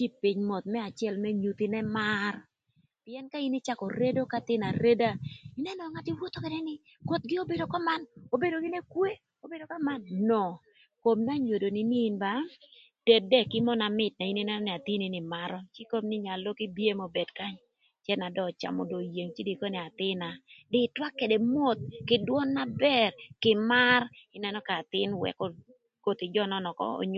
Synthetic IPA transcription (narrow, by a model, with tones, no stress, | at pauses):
t͡ʃi˦pi˨ɲmɔ˨t̪̚mɛ˦a˨t͡ʃjɛ˦lmɛ˦ɲu˨t̪ɪ˦nɛ˦ma˦r | pɪ˦ɛ˦nka˦i˦ni˦t͡ʃa˦kɔ˨ɾe˦do˦ka˦t̪ɪ˦na˨ɾe˦da˦ɪ˨nɛ˦nɔ˨ŋa˦tɪ˦wo˦t̪o˦ke˨nɛ˦nɪ˦ | ko˨t̪̚ɡɪ˦o˦be˨do˨kɔ˦ma˦no˨be˦do˨ɡɪ˦ne˦kwe˦ | o˦be˦do˨ka˦ma˦nnɔ˨ | ko˨mna˦ɲwo˨do˨nɪ˦niː˦nba˦ | d̥ɛ˨de˦kɪ˦mɔ˦na˨mɪ˦˨t̚na˨i˦ni˦nɛ˦nɔ˦nɛ˨a˨t̪i˦ni˦nɪ˨ma˦ɾɔ˦t͡ʃi˦ko˦mnɪ˦ɲa˨lo˦kɪ˦bi˦e˦mo˨be˨dka˦ɲ | t͡ʃjɛ˦na˨dɔ˦˨t͡ʃa̰˨mɔ̰˨do˨je˨ŋt͡ʃi˦di˨ko˦nɛ˨a˨t̪ɪ˦na˨dɪ˦twa˦kːe˨de˨mo˦t̪̚kɪ˨dwɔ˦nːa˦bɛ˦rkɪ˨ma˦rɪ˦nɛ˦nɔ˦ka˨t̪ɪ˦nwɛ̰˨kɔ˦ | ko˨t̪ɪ˨d͡ʒɔ˦nɔ˦nɔ˨kɔ̰˦o̰˨ɲ